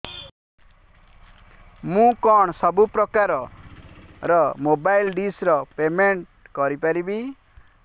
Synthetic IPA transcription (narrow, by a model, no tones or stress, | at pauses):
mũkɔɳ̃sɔbupɾɔkaɾɔ | ɾɔmobajlɖisɾɔpemeɳʈkɔɾipaɾibi